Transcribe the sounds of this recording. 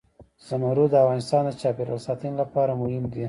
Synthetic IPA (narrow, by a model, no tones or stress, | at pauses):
z̥amaɾud̪əafɣɑnɪst̪ɑnd̪ət͡ʃɑpeɾa̰lsɑt̪ənlapɑɾamʊhɪmd̪i